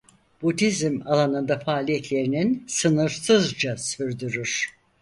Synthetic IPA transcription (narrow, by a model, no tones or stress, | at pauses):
b̥ud̪izmalˠanɯnd̪afaːlʲijɛt̪lʲe̞ɾininsɯnɯɾsɯzd͡ʒasyɾd̪yɾyɾ̥